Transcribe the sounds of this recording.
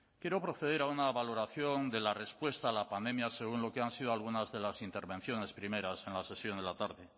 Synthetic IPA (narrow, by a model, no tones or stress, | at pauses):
kje̞ɾo̞pɾo̞θe̞ð̞e̞ɾaunaβalo̞ɾaθjo̞nd̪e̞lare̞spwe̞st̪aːlapand̪e̞mjase̞ɣ̞unlo̞ke̞ansið̞oalɣ̞unazðe̞lasint̪e̞ɾβe̞n̟θjo̞ne̞spɾime̞ɾase̞nlase̞sjo̞nd̪elat̪aɾðe